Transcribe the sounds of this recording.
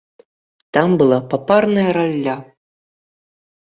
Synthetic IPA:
t̪ambɨlˠapaparnɐjɐɾalʲːa

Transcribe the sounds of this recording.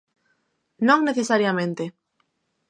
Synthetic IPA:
nõŋneθesaɾjamẽnt̪e

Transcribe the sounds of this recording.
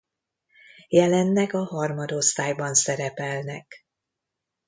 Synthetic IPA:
jɛlɛnːɛkɒɦɒrmɒd̪o̞st̪aːjbɒnsɛɾɛpɛlnɛk

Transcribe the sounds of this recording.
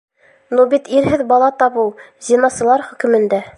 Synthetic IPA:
nubit̪iɾɦɘðbɑlˠɑt̪ɑβɤw | zʲinɑsɤ̆lˠɑɾχɵ̆kɵ̆mɘ̆nd̪æ

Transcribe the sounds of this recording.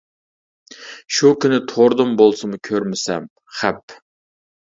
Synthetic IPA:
ʃukʲynɪt̪ʰoɾd̪ɨmbolˠsɨmɨkʲʰøɾmɪsɛm | χæp

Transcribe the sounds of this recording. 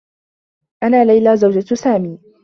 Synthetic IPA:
ʔanaːlajlaːzawd͡ʒat̪saːmiː

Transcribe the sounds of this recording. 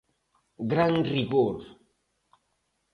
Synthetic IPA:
ɡɾaŋriɣoɾ

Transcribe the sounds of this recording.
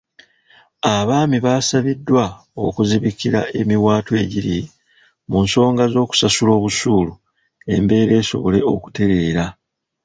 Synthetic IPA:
aβaːmiβaːsaβidːwa | o̞kuziβikiɾa̰e̞miwaːtwe̞ɟiɾi | munso̞ːŋɡazo̞ːku̥sasulo̞ːβusuːlu | e̞̰mbe̞ːɾe̞ːso̞̰βo̞le̞o̞̰ku̥te̞ɾe̞ːɾa

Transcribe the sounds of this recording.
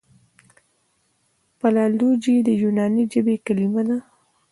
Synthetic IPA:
palɑlud͡ʒid̪əjunɑnid͡ʒəbekalimad̪a

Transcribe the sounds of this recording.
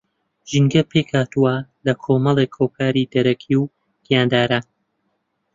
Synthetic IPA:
ʒɨŋɡɐpʰeːkhaːt̪uwɐlɐkʰoːmɐlˠeːkhoːkʰaːɾid̪ɐɾɐkʰiw | ɡ̥ijaːnd̪aːɾa

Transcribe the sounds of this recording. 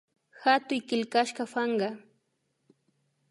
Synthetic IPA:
xat̪ʊjkɪlkaʃkɑfɑɴɢɑ

